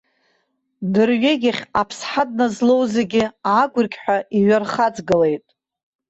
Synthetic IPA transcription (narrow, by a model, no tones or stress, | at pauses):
dɨrɥeɡʲɪχʲapʰsħadnazlo̞wzeɡʲɪaːɡʷʊrɡʲħʷᶣaiɥarχad͡zɡɨle̞jtʼ